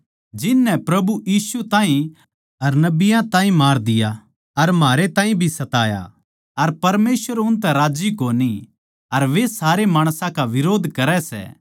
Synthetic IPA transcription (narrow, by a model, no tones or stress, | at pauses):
d͡ʒɪnːɛpɾɐbujiːsut̪ãːɦĩ | ɐɾnɐbɪjãt̪ãːɦĩmaːɾd̪ɪja | ɐɾmaːɾet̪ãːɦĩbʱisɐt̪aːja̰ | ɐɾpɐɾmeːsʋəɾʊnt̪̬ɛ̃ɾaːd͡ʒikoːni | ɐɾʋesaːɾemaːɽ̃sãkaʋɪɾoːd̪ʱkɐɾɛsɛ̰ː